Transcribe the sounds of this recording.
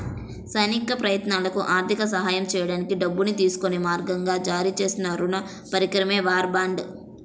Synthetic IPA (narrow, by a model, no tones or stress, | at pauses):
sɐjnikɐpɾɐjɐt̪naːlɐkuʔaːɾt̪ʰikɐs̬ɐɦaːjɐmt͡ʃɛːjɐɽaːnikiɖɐbːunit̪iːsu̥konimaːɾɡɐŋɡaːd͡ʒaːɾiːt͡ʃe̞ːsinɐɾunɐ | pɐɾikɾɐmeːʋaːɾbaːɳɖ